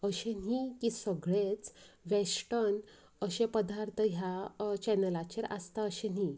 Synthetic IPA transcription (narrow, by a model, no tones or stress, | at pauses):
əɕẽnikisəɡɭet͡sʋesʈən | əɕẽpəd̪ʱaɾt̪ʰəɦjat͡ɕɛnəlat͡ɕeɾa̰st̪aəɕeni